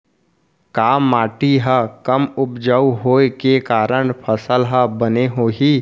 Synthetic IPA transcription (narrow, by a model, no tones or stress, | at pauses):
kaːmːaːʈiɦəkəmʊpd͡ʒəuɦoːekekaːɾəɳpʰəsəlɦəbəneɦoːɦiː